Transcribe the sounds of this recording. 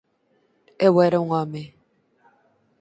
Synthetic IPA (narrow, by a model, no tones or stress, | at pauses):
ɛwɛɾeŋame